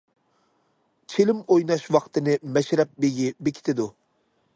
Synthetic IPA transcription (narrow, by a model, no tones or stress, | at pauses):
t͡ʃʰelɪmojnɑʃwɑqt̪ɨnɨmɛʃɾɛp̚beɡʲibekʲʰi̥t̪ʰɪd̪u